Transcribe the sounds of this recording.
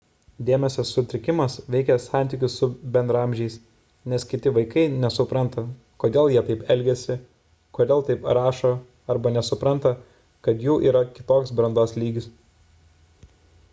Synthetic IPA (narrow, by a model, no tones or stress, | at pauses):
d̪ʲeːmʲɛsʲɛsːʊt̪ʲɾʲɪkʲɪmɐsʋʲɛɪkʲɛsɑˑnʲt̪ʲiːkʲʊsːʊbʲɛnd̪ɾɐɐmʲʒʲɛɪs | nʲɛskʲɪt̪ʲɪʋɐɪkɐɪnʲɛsʊpɾɐnt̪ɐ | koːd̪ʲeːlˠjiɛt̪ɐɪpɛlʲɡʲɛsʲɪ | koːd̪ʲeːlˠt̪ɐɪpɾɑːʃoː | ɐɾbɐnʲɛsʊpɾɐnt̪ɐ | kɐt̪juːʔḭːɾɐkʲɪ̥t̪oːksbɾɐnd̪oːslʲiːɡʲɪs